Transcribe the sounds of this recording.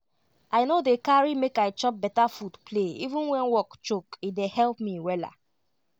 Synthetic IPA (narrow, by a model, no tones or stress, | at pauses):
aɪnodekaɹimekaɪt͡ʃɔp̚bɛtafutpleḭvũnwɛ̃nwɔkt͡ʃokidehɛlpmiwɛla̰